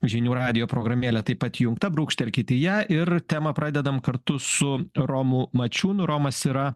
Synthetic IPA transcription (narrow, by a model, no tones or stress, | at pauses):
ʒʲɪnʲuːɾɑːd̪ʲɪjoːpɾoːɡɾɐmʲeːlʲɛt̪ɐɪpɐt̪jʊŋkt̪ɐbɾuːkʃʲt̪ʲɛlʲkʲɪt̪ʲɪjæʔɪrt̪ʲæːmɐpɾɑːd̪ʲɛd̪ɐmkɐɾt̪ʊsʊɾoːmʊmɐt͡ʃʲuːnʊɾoːmɐsiɾɐ